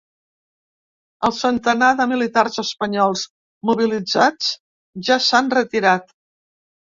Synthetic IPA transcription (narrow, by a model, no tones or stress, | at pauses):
əlˠsənt̪ənaðəmilit̪arzəspəɲɔlˠz | muβ̞ilid͡zat͡s | ʒasanrət̪iɾat̪